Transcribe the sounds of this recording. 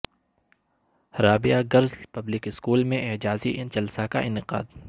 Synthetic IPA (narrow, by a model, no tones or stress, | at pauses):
hɾaːbɪjaɡɐɾzpɐblɪkɪskuːlmẽʔɪːd͡ʒaːzid͡ʒɐlsakaʔɪnɪqa̰ːd̪